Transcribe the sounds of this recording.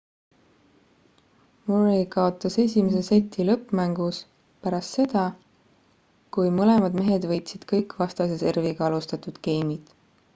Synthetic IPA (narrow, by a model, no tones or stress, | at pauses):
moɾikɑo̞t̪ːˑɑse̞sʲimese̞set̪ʰːilɤpːˑmæŋɡ̥us | pæɾɑst̪se̞d̪̥ɑ | kujmɤle̞mɑd̪me̞ɦe̞d̪̥vɤ̞jt̪sid̪̥kɤjkːˑvɑst̪ɑse̞se̞rviɡ̥ɑɑlust̪ɑt̪ud̪̥ke̞jmid̪̥